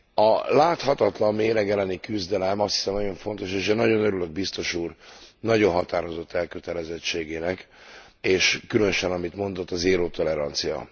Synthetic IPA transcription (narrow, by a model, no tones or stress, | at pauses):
ɒlaːt̪hɒt̪ɒt̪lɒmːeːɾɛɡɛlɛnikyzd̪ɛlɛmɒst̪hi̥sɛmnɒɟjo̞ɱfo̞nt̪o̞ʃeːʃɛnɒɟo̞nøɾylø̞ɡ̚bist̪o̞ʃuːrnɒɟo̞nɦɒt̪aːɾo̞zo̞t̪ːɛlkøt̪ɛlɛzɛt͡ʃːeːɡeːnɛk | eːʃkylønøʃɛnɒmit̪mo̞nd̪o̞t̪ːɒzeːɾoːt̪o̞lɛɾɒnt̪sijɒ̰